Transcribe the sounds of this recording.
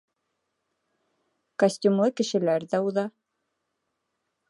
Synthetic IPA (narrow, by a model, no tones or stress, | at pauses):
kosʲtʲumlˠɤkɘ̆ʃɘ̆læɾðæuðɑ